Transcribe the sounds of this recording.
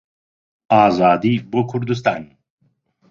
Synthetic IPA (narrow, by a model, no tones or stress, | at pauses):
aːzaːd̪ibokʰuɾd̪us̬t̪a̰ːn